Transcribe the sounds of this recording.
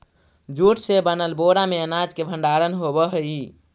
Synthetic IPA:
d͡ʒuʈsebənəlboɾameənad͡ʒkebʱə̃ɳɖaɾənɦobəɦəi

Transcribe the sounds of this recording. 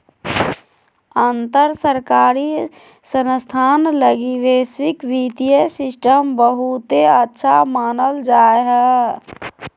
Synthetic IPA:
ənt̪əɾsəɾkaːɾi | sənst̪ʰaːnləɡiʋeːswɪkʋit̪ijəsɪsʈəmbəɦut̪eətːʃʰa̰maːnəld͡ʒaːeɦɛ

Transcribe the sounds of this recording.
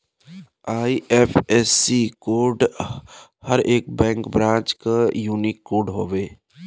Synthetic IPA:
aːiʔepʰɛːsikoːɖ | həɾeːk̚bɛ̃ːŋkbɾãːt͡ʃkajuːnɪkːoːɖɦoːʋeː

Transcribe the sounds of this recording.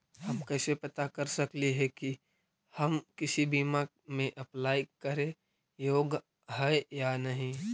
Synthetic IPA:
hɐmkɛːsepɐt̪akɐɾsɐkliɦɛki | hɐmkɪsibiːma | mẽʔɐplaːjkəɾẽ | joːɡ | ɦɛjanɐɦĩ

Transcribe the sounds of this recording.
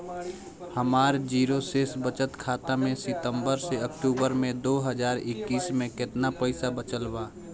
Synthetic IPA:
həmaːɾd͡ʒiːɾoseːsbət͡ʃət̪kʰaːt̪amẽsɪt̪ə̃mbəɾseəkʈuːbəɾmẽd̪oːɦəd͡ʒaːɾɪkːiːsmẽkɪt̪napəɪsabət͡ʃəlbaː

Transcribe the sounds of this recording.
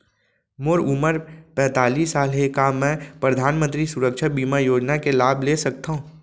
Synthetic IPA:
mʊɾʊməɾpɛ̃ːt̪aːliːsːaːlɦekamɛ̃ːpɾəd̪ʱaːnmə̃nt̪ɾisʊɾəkʃabiːmajoːd͡ʒnakelaːblesɐk̚t̪aɦũː

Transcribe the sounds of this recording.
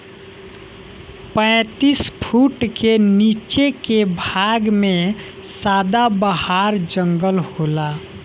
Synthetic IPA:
pə̃ɪt̪ispʰuʈkenit͡ʃekebʱaɡmẽ | saːd̪abəhaɾd͡ʒəŋɡəlhola

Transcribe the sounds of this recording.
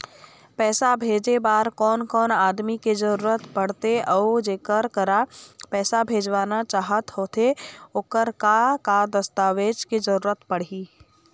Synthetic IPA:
pɛːsabʱeːd͡ʒebaːɾkɔːnkɔːnaːd̪mikezəɾuːɾət̪pəɽ̤t̪eɔːd͡ʒeːkəɾkəɾapɛːsabʱeːd͡ʒʋaːnat͡ʃaːɦət̪ɦoːt̪ʰeoːkəɾkakad̪ɐst̪aːʋeːd͡ʒkezəɾuːɾət̪pəɽiː

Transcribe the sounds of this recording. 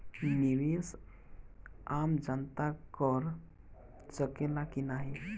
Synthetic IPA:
niɾes | amd͡ʒənt̪akəɾ | səkelakinaɦi

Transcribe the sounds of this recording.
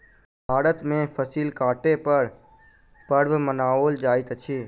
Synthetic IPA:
bʱaːɾət̪mẽpʰəsiːlkaːʈepəɾ | pəɾʋmənaːoːld͡ʒaːɪt̪t͡ʃʰiː

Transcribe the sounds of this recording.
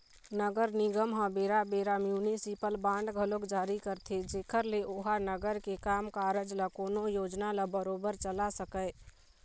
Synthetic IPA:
nəɡəɾniɡəmɦə̃beːɾabeɾamjunisipəlbãɳɖɡʱəlokd͡ʒaːɾikəɾt̪ʰed͡ʒeːkəɾleʔoɦanəɡəɾkekaːmkaːɾəd͡ʒləkoːnojoːd͡ʒnaləbəɾoːbəɾt͡ʃəlasəkəɪ

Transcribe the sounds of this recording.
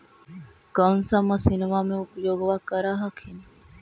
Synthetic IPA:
ɡɐnsamːɐsinemaːmeupəjoːɡoʋaːkɐɾaːɦɐkʰin

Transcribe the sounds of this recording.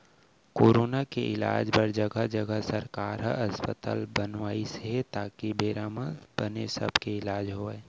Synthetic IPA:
koːɾoːnakeʔɪla̰ːd͡ʒbəɾd͡ʒɐɡəd͡ʒɐɡəsɐɾkaːɾɦə̰ɐspət̪a̰ːlbənʋaːisɦet̪aːkibeːɾaːməb̥ənesɐ̰bʱkeɪlaːd͡ʒɦoːeː

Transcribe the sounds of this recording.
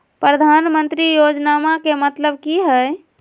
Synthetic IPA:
pɾəd̪ʱanmə̃nt̪ɾijod͡ʒnamakemət̪ləbkiɦɛ

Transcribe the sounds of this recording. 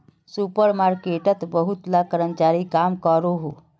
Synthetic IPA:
supəɾmaɾkeʈət̪bəɦut̪lakəɾənt͡ʃaɾikamkəɾoɦo

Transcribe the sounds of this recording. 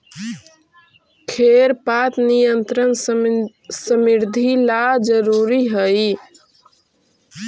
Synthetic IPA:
kʰeɾpat̪nijənt̪ɾən | səmiɾd̪ʱilad͡ʒəɾuɾiɦəj

